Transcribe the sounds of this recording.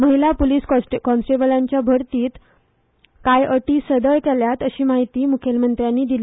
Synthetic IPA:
məɦilapoliːskʈkɔ̃nsʈebəlãɲt͡ɕjabʱəɾt̪iːt̪ | kajʔəʈiːsəd̪əjkɛljat̪əɕiːmaɦit̪iːmukʰjelmənt̪ɾjanːiːd̪ili

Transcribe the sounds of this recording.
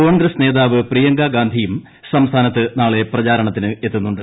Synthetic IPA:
ko̞ːɳɡɾɐsne̞ːðaːʋɨprijɐŋɡaːɡaːnd̪ʱijum | sɐmst̪ʰaːnɐt̪ːɨnaːɭe̞prɐt͡ɕaːɾɐɳɐt̪ːinɨe̞t̪ːunːuɳɖɨ

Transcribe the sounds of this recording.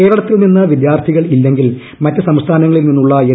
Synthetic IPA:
e̞ːɾɐɽɐt̪ːilninːɐʋid̪jaːrt̪ʰiɣɐɭilːe̞ŋɡil | mɐtːɨsɐmst̪ʰaːnɐŋːɐɭilninːuɭːɐe

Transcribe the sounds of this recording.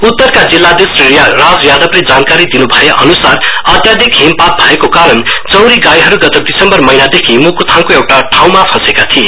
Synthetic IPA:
ut̪ːʌrkad͡zilːad̪esrejrad͡zjad̪ʌbled͡zankaɾid̪inubʱʌjeʔʌnusarʌt̪jad̪ikɦempat̪̚bʱʌekokaɾʌnt͡sʌwɾiɡajɦʌɾuɡʌt̪ed̪isʌmbʌrmʌjnad̪ekʰimukut̪ʰaŋkoewʈaʈʰaw̃mapʰʌsekat̪ʰie

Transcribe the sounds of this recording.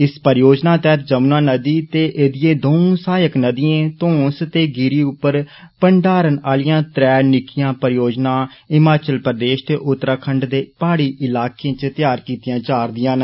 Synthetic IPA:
ɪspəɾjoːd͡ʒnaːt̪ɛːt̪ʰd͡ʒəmnãːnəd̪iːt̪eːʔeːd̪ɪjẽːd̪oːũsaːjəknəd̪ɪjẽːt̪õːst̪eːɡɪɾiːʊpːəɾ | pəɳɖaːɾənaːlɪjãːt̪ɾɛːnɪkʰɪjãːpəɾjoːd͡ʒnãːɪmaːt͡ʃəlpəɾd̪eːʃt̪eːʔʊt̪ːɾaːkʰəɳɖd̪eːpaːɽiːʔɪlaːkẽːt͡ʃt̪ɪjaːɾkiːt̪ɪjãːt͡ʃaːɾd̪ɪjãːn

